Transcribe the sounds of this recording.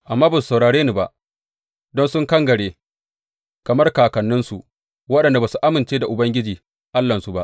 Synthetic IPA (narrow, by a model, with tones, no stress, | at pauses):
ʔa˨mːaː˦ba˨s̬u̥˨sa˨wɽaː˨ɽeː˦ni˨ba˨ʔ | dɔ˦nsʊ˦ŋkɐ˦ŋɡɐ˨ɽeː˦ | kɐ˨mɐ˦rkaː˨kɐ˨nːɪ˦nsu˨ʔ | wɐ˦ɗɐ˨nda˨baː˨su˨ʔa˦mɪ˨nt͡ʃeː˦da˨ʔʊ˨bɐ˦ŋɡʲɪ˦d͡ʒiː˨ | ʔa˦lːɐ˨nsu˨ba˦ʔ